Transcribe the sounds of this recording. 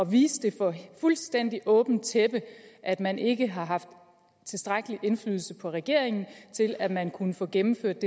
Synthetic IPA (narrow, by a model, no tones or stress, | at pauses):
ɒ̽ʋiːsd̥e̝fɒ̽fulsd̥en̰d̥iʔɔ̽ːb̥n̩t͡sʰeb̥əʔæd̥mænʔe̝ɡ̥əɦɑ̈ɦɑ̈fd̥ | t͡sʰe̝sd̥ʁaɡ̥əliʔe̝nfly̰ːðˠl̩səpʰɒ̽ʁɛɡ̥e̝ɐ̰eŋn̩t͡sʰe̝læ̥mænkʰunəfɔ̽ːɡ̥emm̩føɐ̰d̥ːe